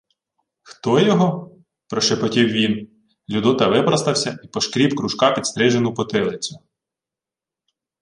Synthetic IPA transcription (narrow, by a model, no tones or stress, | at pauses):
xt̪ɔjɔɦɔ | pɾɔʃepɔtʲiwʋʲin | lʲud̪ɔt̪ɐʋɪpɾɐst̪ɐwsʲɐipɔʃkɾʲiwkɾuʃkɑpʲid̪st̪ɾɛʒenʊpɔt̪ɪlˠɪt͡sʲʊ̥